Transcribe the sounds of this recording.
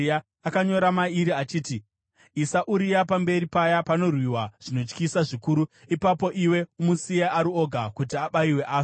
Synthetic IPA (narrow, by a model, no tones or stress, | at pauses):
a | akaɲo̞ɾamaiɾiat͡ʃiːti | isaʔuɾijapambe̞ɾipajapano̞rwiwaʐ̥ino̞t͡ʃkisaʐikuːɾuipapo̞ʔiwe̞umusijaʔaɾuo̞ɡʱakutiaɓaiwe̞ʔaːs